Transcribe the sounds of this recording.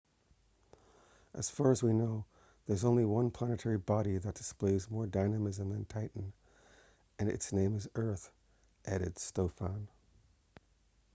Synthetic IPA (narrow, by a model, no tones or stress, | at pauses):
ʔɨ̰z̥fɑɹɨzwinoʊ | ðə˞zõʊ̃nliwʌ̃npʰl̥ænɨtʰɛɹibɑɾiðɨt̚d̥ɨ̥spleɪzmɔɹdãɪnɨmɨzə̃mðɨ̃ntʰaɪʔn̩ | ɨ̃nɨ̰tsnẽɪ̃mɨzɜ˞θ | ʔɛɾɨd̥stoʊfə̃n